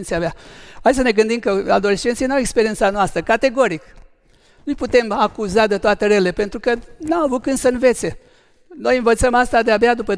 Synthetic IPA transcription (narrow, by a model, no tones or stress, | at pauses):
nsijabaasəneɡɨnd̪imkəa̰d̪o̞leʃt͡ʃe̞nt̪sijnawekspeɾie̞nsanoast̪ɾəkat̪e̞ɡo̞ɾik | nujput̪e̞makuzad̪et̪oat̪eɾelepe̞nt̪ɾukənamavuk̚kɨnd̪səɨnve̞t̪se̞ | no̞jɨnvət̪səmast̪ad̪eabead̪upə